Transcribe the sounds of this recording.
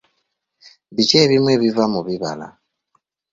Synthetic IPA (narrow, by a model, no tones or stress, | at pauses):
bit͡ʃeβimweβivamuβiβa̰la̰